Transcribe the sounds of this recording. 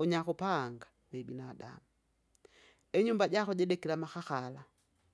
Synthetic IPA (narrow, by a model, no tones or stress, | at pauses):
uɲaxupaŋɡa | mɛbinada̰mu | ɛɲumbaɟaxuɟɛdɛkilamaxaxala